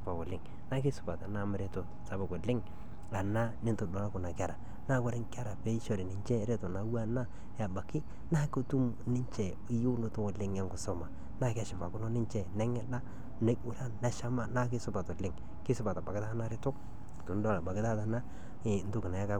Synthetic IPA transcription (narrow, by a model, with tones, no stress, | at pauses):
pa˨wʊ˨lɪ˦ŋ | na˦kɪ˦sʊ˨pa˨ta˨na˦m˨ɾe˦to˨ | sa˨ba˨ko˨lɪ˦ŋ | a˨na˦nɪ˦ntʊ˨dɔ˨la˦kʊ˨na˨ka˨ɾa˨ | na˦kʊ˦ɾɪ˦ŋka˦ɾa˨pe˦i˦ʃo˨ɾɪ˨nɪ˨ɲt͡ʃɛ˦ɾe˦to˨na˨˦wa˦na˦ | ja˨ba˨kɪ˦ | na˦ko˦tu˦m | nɪ˦ɲt͡ʃɛ˨ | ɪ˦ju˦no˦tʊ˦wo˨lɪ˦ŋa˦ŋkʊ˨sɔ˦ma˨ | na˦˨ka˦ʃɪ˨pa˨kʊ˦no˦nɪ˦ɲt͡ʃɛ˦˨nɛ˦ŋɛ˦da˦ | ne˦u˨˦ɾa˦nna˨˦ʃa˦ma˦na˦kɪ˦sʊ˦pa˨tɔ˨lɪ˦ŋ | kɪ˦sʊ˦pa˨ta˨ba˨kɪ˦ta˦na˦ɾɪ˦tʊ˦k̚ | tʊ˨n˦dɔ˦˨la˨ba˨kɪ˦ta˦ta˨na˦˨˦ | n̩tʊ˦kɪ˨na˨a˦ka˦